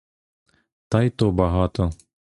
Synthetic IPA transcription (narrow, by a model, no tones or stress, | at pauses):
t̪ɑjt̪obɑɦɑt̪o